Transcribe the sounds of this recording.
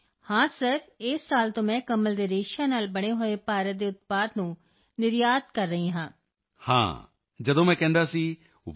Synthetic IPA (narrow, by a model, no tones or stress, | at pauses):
hãːsəɾɪːsːaːlt̪õːmɛ̃ːkəməld̪eːɾeːʃaːnaːlbəɽ̃eːɦoːeːpaːɾət̪̚d̪eːʊt̪̚paːd̪nũː | nɪɾjaːd̪kəɾːəɦĩːɦãː | hã̰ː | d͡ʒəd̪õːmɛ̃ːkɛ̃ːnd̪aːsiː | ʋ